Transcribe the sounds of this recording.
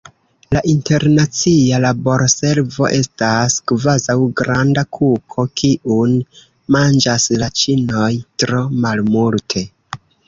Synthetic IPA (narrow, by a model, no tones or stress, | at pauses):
laʔinte̞ɾnat͡sialabo̞ɾse̞ɾvo̞̰ʔe̞staskvazawɡɾandakʰukʰo̞kiʔun | mand͡ʒaslat͡ʃino̞jtɾo̞malmultʰe̞